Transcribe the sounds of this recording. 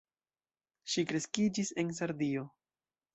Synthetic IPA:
ʃikɾe̞skid͡ʒise̞ns̬aɾdio̞

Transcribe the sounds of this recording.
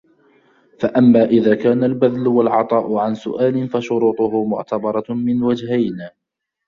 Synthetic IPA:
faʔamːaːʔɪðaːkaːnalbaðlʊwalʕɑt̪ˤɑːʔʊʕansʊ̰ʔaːlɪnfaʃʊɾuːt̪ˤʊɦʊmʊʕt̪abɑɾˤɑmɪnwad͡ʒhajnaː

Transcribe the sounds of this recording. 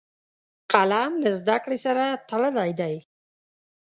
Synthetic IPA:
qalamləzd̪akɽesaɾat̪alalajd̪aj

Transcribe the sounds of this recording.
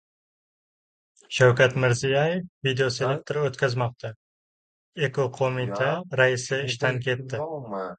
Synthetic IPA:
ʃawkʲat̪mɪɾzijajefvid̪eose̞lek̚t̪ʰeɾot̪kʲʰazmɒq̚t̪ʰa | e̞koqʰomit̪ʰaɾaɪsɪɪʃt̪ankʲʰe̞t̪ːɪ

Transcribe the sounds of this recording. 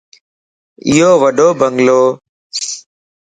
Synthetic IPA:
ɪ̰joːʋəɖʱoːbəŋɡloː

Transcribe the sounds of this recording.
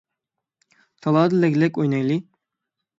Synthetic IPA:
t̪ʰɑlˠɑːd̪ɨlɛɡʲlɛkʲojnɑjlˠi

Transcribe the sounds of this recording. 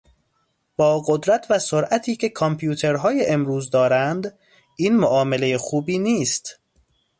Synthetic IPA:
b̥ɒːɡod̪ɾæt̪ʰvæsoɾʔæt̪ʰiːcʰe̞kʰɒmpʰjuːt̪ʰe̞ɾɦɒːjeʔemɾuːzd̪ɒːɾænd̪ | ʔiːnmoʔɒːme̞le̞jexuːbiːniːst̪

